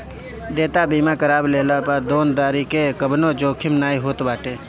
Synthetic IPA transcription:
d̪eːt̪abiːmãkəɾaːbleːlapad̪oːnd̪aːɾikekəbnõd͡ʒoːkʰɪmnaːiɦoːt̪baːʈeː

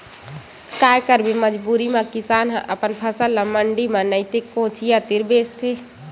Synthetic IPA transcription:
kaːjkəɾbiməd͡ʒbuːɾimãkɪsaːnɦʔəpənpʰəsəlːãməɳɖimãnəɪt̪ekːõːt͡ʃʰijat̪ɪɾbeːst̪ʰeː

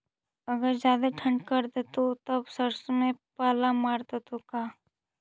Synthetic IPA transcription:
ɐɡəɾzjaːd̪aʈʰə̃ɳɖkəɾd̪et̪ot̪ɐbsəɾsmẽpaːlamaːɾt̪ot̪okaː

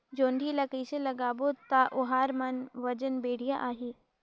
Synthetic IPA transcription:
d͡ʒoːɳɖʱilɐkiːselɐɡaːbot̪aʔʊɦaːɾmɐnʋɐd͡ʒənbeːɽ̤ijaʔaːɦiː

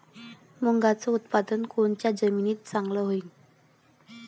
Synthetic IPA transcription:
muŋɡat͡sɔut̪pad̪ənkoɳt͡ɕjad͡zəminiːt̪̚t͡saŋɡləɦoiŋ

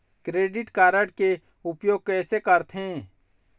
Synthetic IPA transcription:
kɾeːɖɪʈkaːɾəʈke | ʊpjoːɡ̚kɛːsekəɾt̪ʰɦẽː

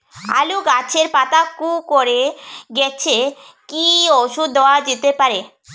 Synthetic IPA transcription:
a̰luɡat͡ɕʰeɾpat̪akukoɾeɡɛt͡ɕʰe | kioʃud̪ɔad͡ʑet̪epaɾe

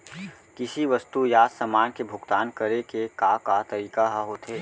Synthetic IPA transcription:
kɪsiʋɐst̪ujaːsɐmaːnkebʱʊɡt̪aːnkəɾekekakat̪ɐɾiːkaɦaɦoːt̪ɦeː

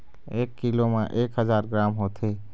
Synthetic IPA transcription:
eːkːilomãʔeːkɦəd͡ʒaːɾɡɾaːmɦoːt̪ʰeː

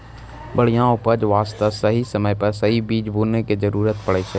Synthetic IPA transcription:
bəɽ̤ijãʊpəd͡ʒʋaːst̪asəɦisəməjpɐɾsɐɦibiːd͡ʒbʱuːnekezəɾuːɾət̪pɐɽet͡ʃʰe

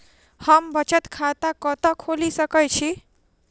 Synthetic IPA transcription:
həmbət͡ʃət̪kʰat̪akɔt̪ɔkʰolisʌkət͡ʃʰi

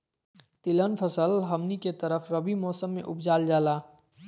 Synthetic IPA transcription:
t̪ɪlənpʰəsəlɦəmniket̪əɾəfʰɾəbimɔːsəmːḛ̃ʔʊpʰd͡ʒaːld͡ʒaːlaː

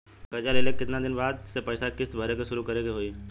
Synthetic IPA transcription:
kɐd͡ʒalelekːɪt̪nad̪ɪnbaːd̪sepɛːɪsakɪsbʱəɾekeʃʊɾukɐɾeɡeɦoːi

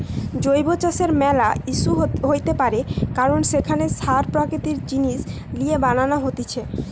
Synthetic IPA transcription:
d͡ʑojbot͡ɕaʃeɾmɛlaiʃuɦojt̪epaɾekaɾonʃekʰaneʃaɾpɾaket̪iɾd͡ʑiniʃ | liebananaɦot̪it͡ɕʰe

